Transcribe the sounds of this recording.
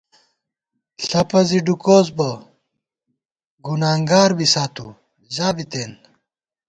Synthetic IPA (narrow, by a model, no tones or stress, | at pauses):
ɬɐpɐziɖukoːzbɐ | ɡunaːŋɡaːɾbisaːt̪ṵ | zaːbit̪eːn